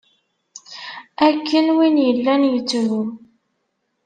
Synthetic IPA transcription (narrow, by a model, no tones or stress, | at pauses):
ækːənwinjəlːænjət͡sːmu